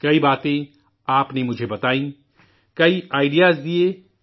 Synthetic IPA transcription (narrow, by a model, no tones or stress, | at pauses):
kɐibaːt̪ẽ | aːpnemʊd͡ʒʱebɐt̪aːĩː | kɐiaːɪɖijaːzd̪ie